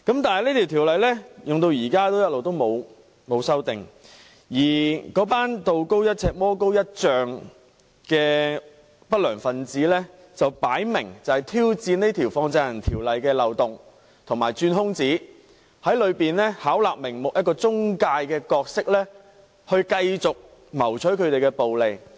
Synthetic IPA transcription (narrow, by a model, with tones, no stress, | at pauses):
kɐ˨˥mt̪aː˨nhɐ˨jlneː˥t̪ʰi˨˩wt̪ʰiː˨˩wlɐ˨jlɛː˥jʊ˨ŋt̪o˧wjiː˨˩kaː˥t̪o˥wjɐ˥t̚lo˨wt̪o˥wmo˨˧w | mo˨˧wsɐ˥wt̪ɪ˨ŋ | jiː˨˩kɔː˨˥paː˥nt̪o˨˧wko˥wjɐ˥t̚t͡sʰɛː˧k̚mɔː˥ko˥wjɐ˥t̚t͡ʃœː˨ŋ | kɛː˧ | pɐ˥t̚lœː˨˩ŋfɐ˧nt͡siː˨˥lɛ˥ | t͡sɐ˨wpaː˨˥jmɪ˨˩ŋt͡sɐ˨˩hɐ˨jt̪ʰiː˥wt͡siː˧ne˥jt̪ʰiː˨˩wfɔː˧ŋt͡sɐ˧jɐ˨˩nt̪ʰiː˨˩wlɐ˨jkɛː˧lɐ˨wt̪ʊ˨ŋ | t̪ʰʊ˨˩ŋmaː˨˩jt͡ʃyː˧nɦʊ˥ŋt͡siː˨˥ | hɐ˨˥jlɵ˨˧ɥpiː˨nlɛː˥haː˨˥wlaː˨k̚mɪ˨˩ŋmʊ˨k̚jɐ˥t̚kɔː˧t͡sʊ˥ŋkaː˧jkɛː˧kɔː˧k̚sɪ˥k̚lɛː˥ | hɵ˧ɥkɐ˧jt͡sʊ˨k̚ | mɐ˨˩wt͡ʃʰɵ˨˥jkʰɵ˨˧ɥt̪e˨jkɛ˧po˨wle˨j